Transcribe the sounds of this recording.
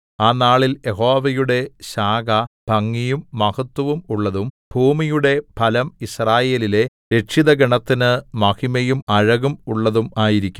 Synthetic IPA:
aːnaːɭilje̞ɦo̞ːʋɐjuɽe̞ɕaːɡɐb̥ʱɐŋːijumːɐhɐt̪ːɐʋumuɭːɐðumbʱuːmijuɽe̞pʰɐlɐmisraːje̞ːlile̞ | ɾe̞kʂiðɐɡɐɳɐt̪ːinɨmɐkimɐjumɐɻɐɣumuɭːɐðumaːjiɾikʲːu

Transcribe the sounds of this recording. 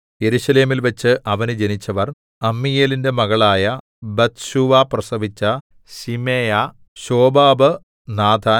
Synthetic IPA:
je̞ɾuɕɐle̞ːmilʋɐt͡ɕːɨʔɐʋɐnɨd͡ʑe̞nit͡ɕːɐʋɐr | ɐmːijeːlinde̞mɐɣɐɭaːjɐ | bɐt̪ɕuʋaprɐsɐʋit͡ɕːɐ | simeːjɐ | ɕo̞ːbaːbɨ | naːt̪ʰaː

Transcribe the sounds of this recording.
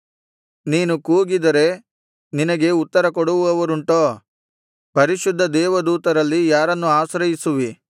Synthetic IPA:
niːnukuːɡid̪ɐɾe̞ | ninɐɡe̞ut̪ːɐɾɐkoɽuʋuɐʋɐɾuɳʈoː | pɐɾiʃud̪ʱːɐd̪ɛːʋɐd̪uːt̪ɐɾɐlːijaːɾɐnːuaːsɾɐjisuʋi

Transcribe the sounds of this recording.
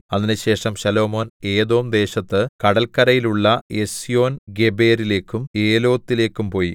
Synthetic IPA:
ɐðinɨɕe̞ːʂɐmɕɐlo̞ːmo̞ːne̞ːd̪o̞ːmd̪e̞ːɕɐt̪ːɨkɐɽɐlkɐɾɐjiluɭːɐe̞sijo̞ːnɡe̞be̞ːɾile̞ːkːume̞ːlo̞ːt̪ːile̞ːkʲːumpo̞ːji

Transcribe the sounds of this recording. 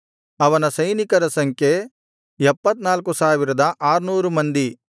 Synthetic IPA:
ɐʋɐnɐsɐjnikɐɾɐsɐŋkʰje | ɛpːɐt̪naːlkusaːʋiɾɐd̪ɐʔaːɾnuːɾumɐnd̪i

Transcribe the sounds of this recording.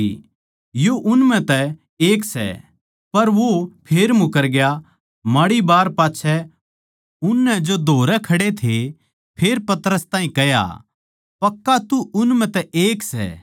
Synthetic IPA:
joʔʊnmɛ̃t̪ɛ | eːksɛ̰ | pɐɾʋopʰeːɾmʊkəɾɡja | maɽibaːɾpaːtːt͡ʃʰɛ | ʊnːɛd͡ʒod̪ʱoːɾɛkʰɐɽet̪ʰe | pʰeːɾpɐt̪əɾəst̪ãːɦĩkɛja̰ | pɐkːat̪uʔʊnmɛ̃t̪ɛʔeːksɛ̰ː

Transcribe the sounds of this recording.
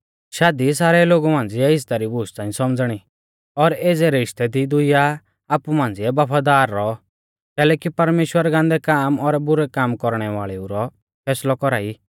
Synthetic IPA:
ʃaːd̪is̬aːɾɛloːɡumãːnd͡ziɛɪst̪aɾibʊst͡sãːĩsɔmd͡zɽ̃i | ɔɾeːd͡zɛɾɪʂt̪ɛd̪id̪ʊija | aːpumãːn̆d͡zɪɛbɐpʰad̪aːɾːɔ | kɛːlɛːkipɐɾmeːʃwəɾɡãːnd̪ɛkaːmɔɾbʊɾɛkaːmkɔɾɽ̃ɛʋaːɭɛuɾɔ | pʰɛːslɔkɔɾaːi

